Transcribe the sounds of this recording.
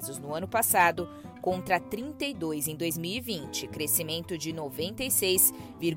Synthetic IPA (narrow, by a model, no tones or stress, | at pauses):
zʊznʊɐ̃nʊpasad̪ʊ | kõnt̪ɾɐt̪ɾĩnt̪ejd̪ojzẽj̃d̪ojzmiwivĩnt͡ʃɪkɾesimẽnt̪ʊd͡ʒɪnovẽnt̪ejsejsviɾ